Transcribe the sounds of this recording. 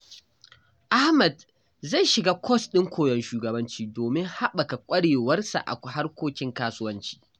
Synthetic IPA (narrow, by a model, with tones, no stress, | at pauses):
ʔa˦hmɛ˨d | za˦˨jʃɪ˨ɡaː˦kʷʰɔ˦sɗɪ˦ŋkʷʰoː˨jɔ˦nʃuː˨ɡɐ˨bɐ˦nt͡ʃiː˦doː˨mɪ˦ŋha˦ɓɐ˨ka˨kʷʼɐ˦ɽeː˨wɐ˦rsa̰˨ʔa̰˨ha˦rkʷoː˦kʲɪ˦ŋkaː˦sʊ˦wɐ˦nt͡ʃi̥ː˦